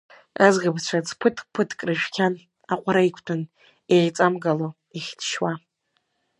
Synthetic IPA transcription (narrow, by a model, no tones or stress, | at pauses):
azɡɨbt͡ɕʷʰad͡zʰpʰɨtʰpʰɨtʰkʼrɨʒᶣkʲʰan | aqʷʼaɾaikʷʰtʰɨn | eʕt͡sʼamɡalo | iχʲdʰʃwa